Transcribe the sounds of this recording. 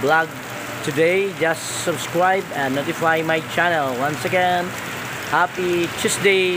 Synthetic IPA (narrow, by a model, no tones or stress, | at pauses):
blaɡ̚ | tʰɨdeɪd͡ʒʌs | səbskɹaɪbɛ̃nːotɪfaɪmajt͡ʃʰænəlˠwʌ̃nsɨɡɛ̃n | hapit͡ʃʰɪsde